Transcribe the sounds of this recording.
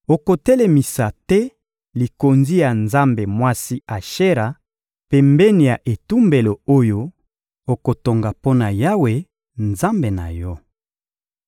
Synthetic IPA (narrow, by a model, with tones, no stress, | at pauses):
o˨ko˨tɛ˦le˨mi˨sa˨tɛ˦ | li˨ko˨nzi˦ja˨nza˦mbe˨mwa˦si˦a˨ʃe˦ʁa˨ | pe˨mbɛ˦ni˨ja˨ʔe˨tu˦mbe˨lo˨o˦jo˦ | o˨ko˨to˨ŋɡa˨po˦na˨ja˦we˨ | nza˦mbe˨na̰˨jɔ˦